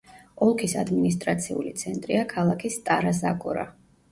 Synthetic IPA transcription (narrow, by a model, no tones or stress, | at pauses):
ɔlˠkʰisa̰d̪minis̬t̪ʼɾat̪sʰiṵlit̪sʰɛnt̪ʼɾiakʰalˠakʰist̪ʼaɾazakʼɔɾa̰